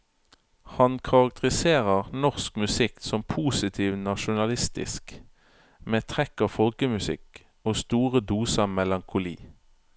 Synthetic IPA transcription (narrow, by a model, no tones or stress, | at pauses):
hɑnkʰɑʁɑk̚t̪əʁɪseːʁəʁnɔʁskmʉsɪksɔmpʰuːsɪt̪ʰiːʋnɑʃʊnɑlɪst̪ɪ̰sk | meːt̪ʰʁɛkɑːfɔlkəmʉsɪ̰k | oːst̪uːʁəd̪uːsəmɛlɑŋkʰʊlḭː